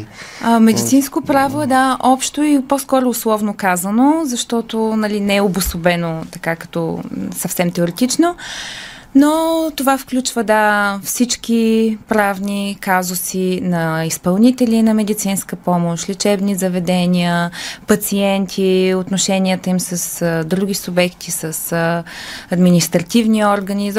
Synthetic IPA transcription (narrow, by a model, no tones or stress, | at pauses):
mɛd̪it̪sinskopɾavoɛd̪aʔɔpʃt̪ʊiposkɔɾʊːslˠɔvnokazənozɐʃt̪ɔt̪onɐlinɛɛobʊsobɛnot̪ɐkakɐ̥t̪ɔ̰sɐfsɛmt̪ɛoɾɛt̪it͡ʃno | not̪ovafklʲut͡ʃvəd̪afsit͡ʃk̟ipɾavnikazʊsinɐispɐlˠnit̪ɛlʲinɐmɛd̪it̪sinskəpɔmoʃlʲit͡ʃɛbnizəvɛd̪ɛniəpɐt̪siɛnt̪ʰiot̪noʃɛnʲiət̪əimsəsd̪ɾuɡ̟ʲisʊbɛkt̪ʰisəs | ɐd̪minist̪ɾɐt̪ivniɔɾɡəniz